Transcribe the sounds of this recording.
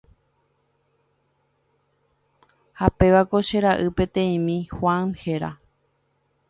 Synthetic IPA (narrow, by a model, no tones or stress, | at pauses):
hape̞ʋako̞ʃe̞ɾaʔɨpe̞t̪ẽ̞ĩmĩxwãnhe̞ɾa̰